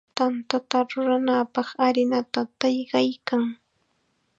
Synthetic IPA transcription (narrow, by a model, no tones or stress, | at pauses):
t̪ant̪at̪aɾʊɾanapɑχaɾɪnat̪at̪ɑjɢɑjkaŋ